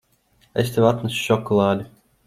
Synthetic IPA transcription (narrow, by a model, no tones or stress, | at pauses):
est̪evat̪nasu̥ʃɔklˠaːd̪ʲu